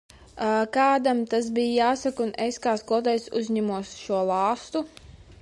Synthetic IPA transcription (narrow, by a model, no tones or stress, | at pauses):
akaːd̪amt̪as̬bijjaːsakuneskaːskɔt̪ɛjsṵzʲɲamuɔsʃuɔlˠɑːst̪u